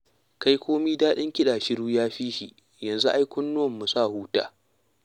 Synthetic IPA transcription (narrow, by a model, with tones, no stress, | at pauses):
ka˦jkʰʷoː˦miː˦daː˦ɗɪ˦ŋkʲɪ˦ɗaː˨ʃɪ˦ɽuː˦jaː˦ɸiː˦ʃi˨ʔ | jɐ˨nzu˦ʔa˦jkʷʊ˦nːʊ˦wɐ˨mːu˨sa˦˨huː˦ta̰ː˦